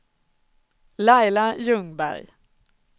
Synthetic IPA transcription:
lajlajɵŋbæ̰ɾj

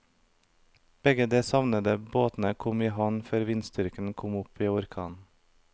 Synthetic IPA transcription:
b̥ɛɡəd̪eːsɑʋnəd̪əboːt̪n̩əkʰɔmiːɦɑnføːɾʋɪnst̪ʏɾkn̩kʰɔmʊpiːʊɾkʰɑ̰ːn

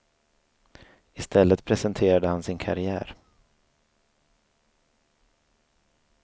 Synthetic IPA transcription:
ɪst̪ʰɛlːət̪pʰɾɛsɛnt̪ʰeːɾad̪əhansɪnkʰa̰ɾɪæ̰ːɾ

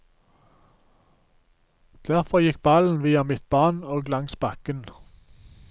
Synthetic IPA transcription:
d̪̥æʁfɔjɪk̚bɑln̩ʋiːɑmɪt̪̚bɑʁnoːɡlɑŋsbɑkən

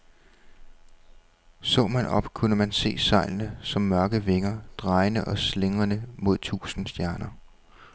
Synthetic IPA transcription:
sɔ̰̽ːmænɒ̽b̥kʰunəmænse̝̰ːsɑ̈ɪ̰lnəsɒ̽mːɶɐɡ̥əʋe̝ŋɐd̥ʁɑ̈ɪnəʔɒ̽sle̝ŋɐnəmo̝ð̞̰ˠt͡sʰṵːsn̩sd̥jæɐnɐ

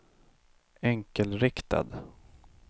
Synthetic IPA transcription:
ɛŋkəlɾɪkt̪a̰d̪

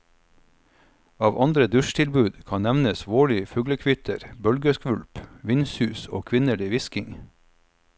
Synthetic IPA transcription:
ɑːʋʔɑnd̪ɾəd̪ʉʃt̪ʰɪlbʉːd̪kʰɑnnæʋnəsʋoːɭɪfʉːɡləkʰʋʏt̪ʰəɾbœlɡəskʋʉlpʋɪnshʉːso̰ːkʰʋɪnəɭiːʋɪskɪŋ

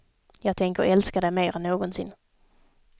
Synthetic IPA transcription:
jɑːɡ̚t̪ʰɛŋkəɾɔ̰ɛlskad̪ɛjmeːɾɛnːoːɡɔnsɪ̰n

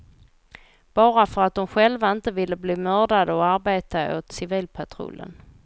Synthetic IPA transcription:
b̥ɑːɾafœɾat̪̚d̪ɔmɧɛlvaɪnt̪əvɪlːəbliːmœːɖad̪əɔaɾbeːt̪aʔot̪sɪviːlpʰat̪ʰɾʊ̰lːə̰n

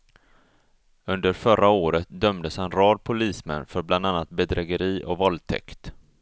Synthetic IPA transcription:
ɵnd̪əɾfœɾʔaoːɾət̪̚d̪œmd̪əshanɾɑːd̪̚pʰʊliːsmɛ̰nːfœɾbland̪anːat̪̚bɛd̪ɾɛɡəɾiːʔɔ̰vɔlt̪ʰɛ̰kt̪

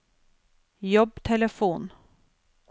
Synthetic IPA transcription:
jɔbːt̪ʰɛləfuːn

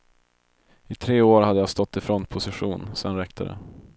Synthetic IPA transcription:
ɪt̪ʰɾeːoːɾhad̪əjast̪ɔt̪ːɪfɾɔnt̪̚pʰʊsɪɧuːnsɛnɾɛk̚t̪ʰə̰ɾə̰

